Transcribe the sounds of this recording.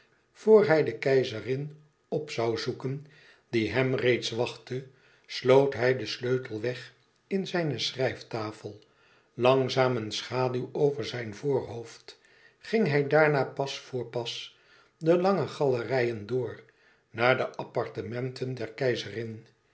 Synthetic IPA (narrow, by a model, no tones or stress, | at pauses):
v̥oːɹɦɛjdəkɛjzərɪn | ɔpsɑwzukən | diɦɛmrejtsʋɑχtə | slowtɦɛjdəsløɥtəl̩ˠʋɛχ | ɪnzɛjnəsrɛjftaːfəlˠ | lɑŋzaːmənsχaːdywowvəɹzɛjnvʊːɹɦoʊft | χɪŋɦɛjdaːɹnaːpɑsfʊːɹpɑs | dəlɑŋəχɑlərɛjəndʊːɹ | naːɹdəʔɑpɑɹtəmɛntʰəndɛɹkɛjzərɪn